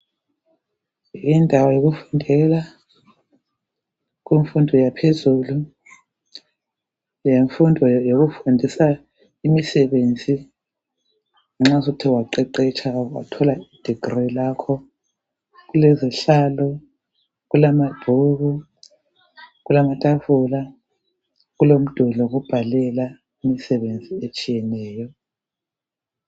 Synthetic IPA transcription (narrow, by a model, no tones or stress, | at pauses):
jindʱawajoɣufundʱɛla | ɣiɱfundʱɔjapʰezuːlu | jeɱfundʱɔjoɣufundʱisa | imisɛβend͡zʱi | ŋ͡ǁasutʰiwaǃɛǃɛt͡ʃʰʼawa̰tʰɔlaid̥ʱiɡ̥rilaːkʰɔ | ɣulɛziɬaːlɔ | ɣulamab̥ʱuɣu | ɣulamatʼavula | ɣulom̩d̥ʱulɔɣub̥ʱalɛla | imisɛβend͡zʱiet͡ʃʼijɛnɛːjɔ